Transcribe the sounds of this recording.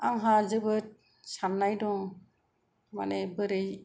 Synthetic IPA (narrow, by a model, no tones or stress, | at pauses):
aŋɦazɯbɯt̚ | sanːajdɔŋ | ma̰nebɯɾɯj